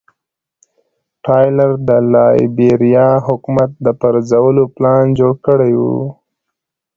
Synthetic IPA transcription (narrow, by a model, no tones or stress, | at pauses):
ʈɑjlaɾd̪əlɑjbeɾijɑɦʊkumat̪̚d̪əpaɾzawəloplɑnd͡ʒoɽkəɽajwṵ